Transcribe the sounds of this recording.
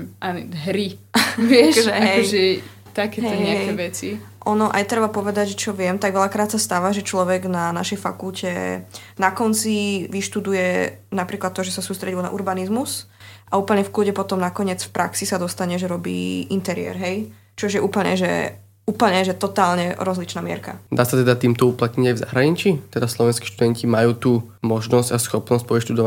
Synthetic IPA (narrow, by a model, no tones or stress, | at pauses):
anɦɾiʋɪɛʃʒɛɦɛjʒɛ | t̪akɛɦɛɲɛaɦɛjɛʋɛt͡si | ʔɔnɔʔa̰jt̪ɾɛbapɔʋɛd̪aɟʒɛt͡ʃɔʋɪɛmt̪aɡʋɛʎakɾaːt̪sast̪aːʋaʒɛt͡ʃlɔʋɛɡnanaʃɛjfa̰kulcɛ̰ | nakɔnt͡siʋiʃt̪ud̪ujɛ | napɾiːklat̪ːɔʒɛsasuːst̪ɾɛɟilna̰ʔuɾbanizmus | ʔauːpl̩ɲɛfkluɟɛpɔt̪ɔmnakɔɲɪɛt͡sfpɾʔaksisad̪ɔst̪aɲɛʒɛɾɔbḭːint̪ɛɾɪɛ̰ɾɦɛj | t͡ʃɔʒjɛuːpl̩ɲɛ̰ʒɛ̰ | uːpl̩ɲɛʒɛt̪ɔt̪aːlɲɛɾɔzlit͡ʃnaːmɪɛ̰ɾka̰d̪aːsat̪ɛd̪at̪iːmt̪ɔuplat̪ɲiɟajvza̰ɦɾaɲit͡ʃit̪ɛd̪aslɔʋɛnskiʃt̪ud̪ɛncimajuːt̪uː | mɔʒnɔzɟasxɔpnɔsc̚pɔʋiʃt̪ud̪ɔʋa